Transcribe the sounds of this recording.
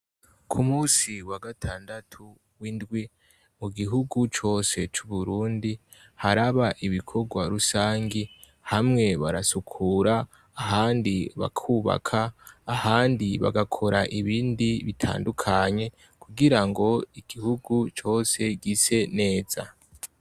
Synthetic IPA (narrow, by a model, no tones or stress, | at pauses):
kʰumuːsiwaɡatʰaːndatʰu | windɡwi | muɡiɦuɡut͡ʃo̞ːse̞t͡ʃuβuɾuːndi | haɾaβaʔiβikʰo̞ɡwaɾusaːŋɡi | hamŋe̞βaɾasukʰuɾaː | ɦaːndiβa̰kʰuːβa̰kʰaːhaːndiβa̰ɡakʰo̞ɾaʔiβiːndiβitʰa̰ːndukʰaɲe̞ | kʰuɡiɾaŋɡo̞iɡ̥ihuɡut͡ʃo̞ːse̞ɡise̞ne̞ːz̥a